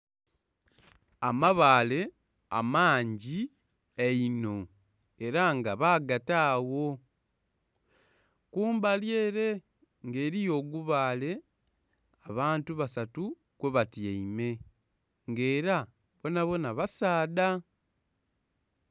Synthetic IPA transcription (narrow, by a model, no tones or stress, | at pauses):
amaβaːle̞ | a̰maːɲɟi | eino̞ | e̞ɾaŋɡaβaːɡataːwo̞ | kuːmbalje̞ːɾe̞ | ŋɡe̞ːɾijo̞ːɡuβaːle̞ | aβaːntuβasatu | kweβatjeime̞ | ŋɡe̞ːɾa | βo̞naβo̞naβasaːda